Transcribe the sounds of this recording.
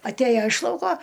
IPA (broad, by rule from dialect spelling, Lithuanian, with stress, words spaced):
ɐtʲˈæjɛ ɪʃ ˈlˠɐʊkoː